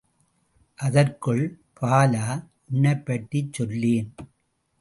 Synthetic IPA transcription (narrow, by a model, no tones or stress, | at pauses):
ʔɐðɐrkɯɭ | pʰaːlaːʔʊɳːɐɪpːɐʈːit͡ʃːɔlːeːn